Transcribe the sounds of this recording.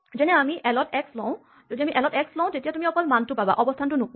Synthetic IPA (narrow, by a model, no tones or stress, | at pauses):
zɛnɛamiʔɛlɔtɛkslɔ̃ʊ̃ | zodiamiʔɛlɔtɛkslɔ̃tetijatumiɔkɔlmantʊpaba̰ʔɔbɔstʰantʊnʊk